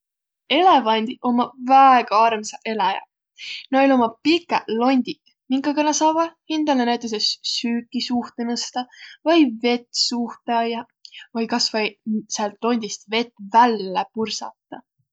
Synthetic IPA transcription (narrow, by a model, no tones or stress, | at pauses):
e̞le̞vɑnʲd̪̥iʔo̞mɑvæeɡ̥ɑɑrmsɑʔe̞lɑjɑ̰ | nɑolʲo̞mɑpikːˑɑlo̞nʲd̪̥ʲik | miŋkːɑɡɑnɑsɑːvɑhind̪ɑlenæjt̪ːˑɑs̬essyːkːˑisuht̪enɤst̪ɑvɤjve̞t̪ːsuht̪ɑjɑ | vɤjkɑsvɑjseɑlt̪ˑlo̞nʲd̪̥ist̪ve̞t̪ːˑvælːepursɑ̰t̪ːɑ